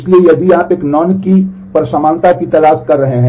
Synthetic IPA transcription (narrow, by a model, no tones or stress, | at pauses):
ɪsliejɐbʱiaːpeːknɔːnki | pɐɾsəmãːnt̪akit̪ɐlaːskɐɾːɐɦeɦɛ̃